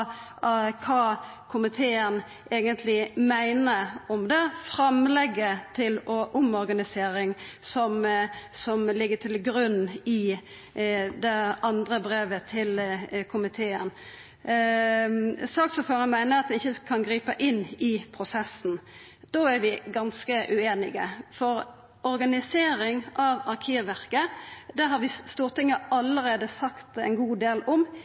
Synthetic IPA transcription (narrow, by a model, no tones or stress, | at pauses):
kʰɑː | kʰʊmɪt̪ʰeːən | ʔeːɡənt̪ʰlɪmæɪnəɔmd̪ɛfɾɑmlɛɡːət̪ʰɪlɔʔʊmɔɾɡɑnɪseːɾɪŋsɔmsɔmlɪɡːəʈʰɪlɡɾʉnːɪ | d̪ɛɑnd̪ɾəbɾeːʋət̪ʰɪlkʰʊmɪt̪ʰeːən | sɑːksɔːføːʁənmæɪnəɾɑt̪̚d̪ɛnɪçəkʰɑnɡɾiːpəʔɪnːɪpʰʁʊsɛsn̩ | d̪̥oːæɾʋɪɡɑnskəʔʉeːnɪɡəfɔɾ | ʔɔɾɡɑnɪseːɾɪŋʔɑʋɑʁkʰiːʋæʁkəd̪æːɾɦɑɾʋɪst̪uːʁt̪ʰɪŋːəɑləɾeːd̪əsɑkt̪ɛ̰ɪnɡuːd̪eːlɔm